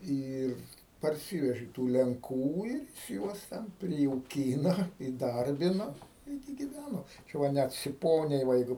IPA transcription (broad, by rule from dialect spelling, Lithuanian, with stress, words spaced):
ˈiːr pɐrʲˈsʲiːʋʲɛʒʲɪ tuː lʲɛŋˈkuː ɪr jɪs ˈjuɔs tʲɛn pʲrʲɪjɛʊˈkʲiːnɐ iːˈdɐrʲbʲɪnɐ ˈɪrʲɡʲɪ ɡʲɪˈʋʲænoː ˈt͡ʃʲɛ ʋɐ ˈnʲæt sʲɪˈpoːnʲɛɪ ʋɐ ˈjɛɪɡʊ